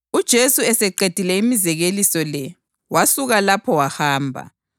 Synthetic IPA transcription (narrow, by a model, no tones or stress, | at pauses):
ud̥ʒ̥ʱesuɛsɛǃed̥ʱilɛimizɛɣelisɔlɛ | wasuɣalapʰɔwahaːmbʱa̰